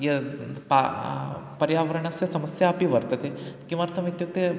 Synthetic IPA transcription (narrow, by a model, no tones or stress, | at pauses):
jepa̰ | pɐɾjaːʋɐɾəɳasjɐsɐməsjaːpiʋɐɾt̪ɐt̪ekiʋaɾt̪ʰɐmit̪juk̚t̪e